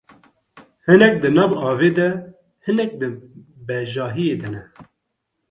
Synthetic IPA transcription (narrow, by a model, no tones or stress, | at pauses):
hɨnɛk̚d̪ɨnɑːvɑːveːd̪ɛ | hɨnɛk̚d̪ɨ | bɛʒɑːɦijeːd̪ɨnɛ